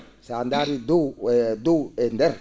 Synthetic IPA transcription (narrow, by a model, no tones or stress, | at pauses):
sand̪aɾid̪ud̪uendɛɾ